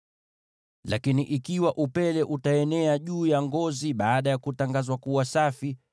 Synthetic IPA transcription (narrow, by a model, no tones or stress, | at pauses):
lakiniʔikiwaʔupɛlɛʔutaɛnɛaʄuːjaŋɡɔziɓaːɗajakutaŋɡazwakuwasafi